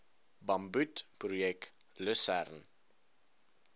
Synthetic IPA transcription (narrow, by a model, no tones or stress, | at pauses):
bɐmbʉtprujɛkləsærn